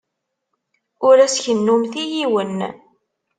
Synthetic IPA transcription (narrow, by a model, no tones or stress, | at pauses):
ʊɾæsçənːumθijiwən